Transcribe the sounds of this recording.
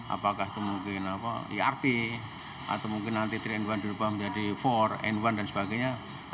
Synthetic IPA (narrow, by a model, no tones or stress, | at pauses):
ʔa̰pakahit̪umuŋkɪnapa̰ḭarpi | ʔa̰t̪amuŋkɪnːant̪it̪ɾiɛndwand̪iɾupaməd͡ʒadifɔrɛ̰ndwandansəbaɡaɲa